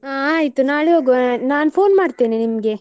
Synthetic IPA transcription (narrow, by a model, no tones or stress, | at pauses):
aːaːjt̪unaːɭeɦoːɡonaːnpʰoːnmaːɽt̪iːninimɐɡe̞